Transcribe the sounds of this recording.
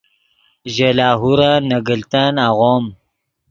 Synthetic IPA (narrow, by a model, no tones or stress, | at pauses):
ʒelaːɦuɾanaɡəlt̪anaɣom